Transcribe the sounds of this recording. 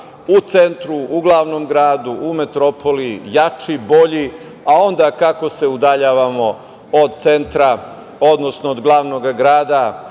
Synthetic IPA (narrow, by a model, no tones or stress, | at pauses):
ut̪se̞nt̪ɾuuɡlˠaʋnomɡɾaːd̪uʔːme̞t̪ɾopʰolijat͡ʃibo̞ʎi | ao̞nd̪akako̞se̞ud̪aʎaːʋamo̞ | od̪̚t̪se̞nt̪ɾa | od̪no̞snoːd̪ɡlˠaːʋnoɡaɡɾaːd̪a